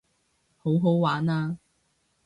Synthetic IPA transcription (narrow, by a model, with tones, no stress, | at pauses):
ho˨˥wɦo˨˥wwaː˨˥naː˧